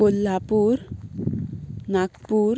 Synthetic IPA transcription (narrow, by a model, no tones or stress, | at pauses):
olːapuɾ | nakpuɾ